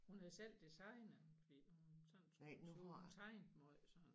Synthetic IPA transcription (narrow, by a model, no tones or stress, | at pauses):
hunhæðˠsel̰d̥isɑ̈ɪnɐfɒd̥ḭnuunsɒn̰n̩snt͡sʰɑ̈ɪ̰nd̥mɔð̰sɒn